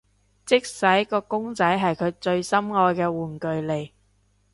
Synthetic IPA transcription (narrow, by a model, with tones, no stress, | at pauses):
t͡sɪ˥k̚sɐ˨˥jkɔː˧kʊ˥ŋt͡sɐ˨˥jɦɐ˨jkʰɵ˨˧ɥt͡ʃɵ˧ɥsɐ˥mŋɔː˧jkɛː˧wuː˨˩nkɵ˨ɥle˨˩j